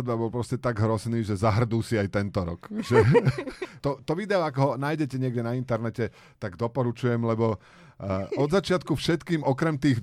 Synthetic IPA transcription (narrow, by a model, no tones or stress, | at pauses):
d̪̚babɔlpɾɔscɛt̪aɡɦɾɔzniːʒɛzaɦr̩d̪uːsiajt̪ɛnt̪ɔɾɔ̰kʒɛ | t̪ɔt̪ɔʋiːd̪ɛɔaɡɦɔnajɟɛcɛɲɪɛɡɟɛnaint̪ɛɾnɛcɛ | t̪aɡd̪ɔpɔɾut͡ʃujɛmlɛbɔ | ʔɔd̪zat͡ʃɪat̪kufʃɛt̪kiːmɔkɾɛmt̪iːɣ